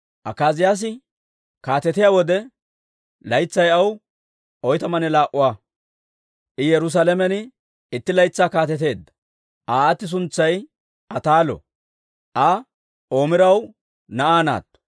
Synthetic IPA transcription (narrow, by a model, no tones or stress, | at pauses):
ʔɐkːaːzɪjaːs̬ɪ | kaːt̪ɛt̪ɪjawɔd̪ɛ | lɐjt͡sːɐjɐw | ʔɔjt̪ɐmɐnɛlaːʔʊwaː | ʔɪjɛɾʊs̬alɛmɛnɪ | ɪt̪ːɪlɐjt͡sːaːkaːt̪ɛt̪̬e̞ːd̪ːɐ̥ | ʔaːt̪ːɪs̬ʊnt͡sːɐj | ʔɐt̪aːlɔ̰ | ʔɐ | ʔo̞ːmɪɾɐw | nɐʔaːna̰ːt̪ːɔ̥